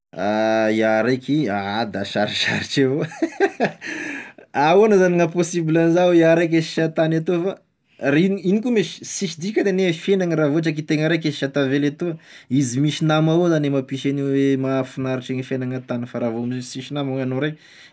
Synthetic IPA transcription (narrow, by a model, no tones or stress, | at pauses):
aiaɾejkiaad̪aʃa̰ɾiʃa̰ɾiʈ͡ʂevo | aoanəzaniŋaposibilanizawiaɾajk̬eʃi̥ʃat̪anat̪ufa | rininikumiʃi̥siʃid̪ikʲəd̪enefenaŋəɾavoaʈ͡ʂak̬it̪eŋəɾajk̬eʃat̪avelat̪uəizimiʃinamaozanemapiʃeniwemafinaɾiʈ͡ʂeŋifenaŋat̪anəfaɾavomisiʃinamoŋanoɾejk